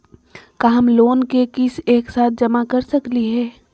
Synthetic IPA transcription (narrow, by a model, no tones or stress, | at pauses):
kaːɦəmloːnkekɪseːksaːt̪̚ʰd͡ʒɐmakɐɾsɐkliɦɛː